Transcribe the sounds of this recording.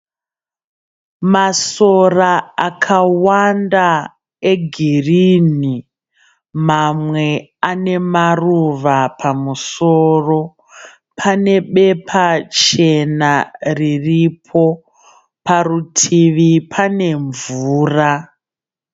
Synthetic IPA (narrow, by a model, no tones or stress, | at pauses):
maso̞raakʰawanda | e̞ɡʱirini | mamwe̞ane̞maruʋapʰamusoːro̞ | pʰane̞ɓe̞pʰat͡ʃe̞nariripʰo̞ | parutʰiʋipʰane̞ɱvuːra